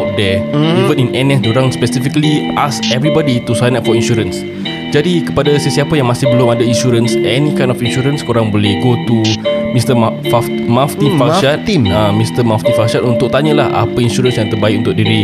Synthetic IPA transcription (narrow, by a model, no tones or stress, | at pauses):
at̪̚dɛivə̃nĩnɛnɛ̃sduɾãŋspɛsifikəliʔasɛvɾibɔdit̪usajnatfɔinʃuɾəns | d͡ʒadikə̥padasəsiapajãŋmãsɪhbəlʊmadaĩnʃuɾənsʔɛnĩkajnɔfinʃuɾənskoɾaŋbolɛhɡot̪umĩst̪əfa | maft̪infaʃaamĩst̪əmaft̪ifakʃat̪unt̪ʊk̚t̪aɲəlaha̰pəinʃuɾə̃nsjãŋt̪əbaɪk̚unt̪ʊk̚diɾi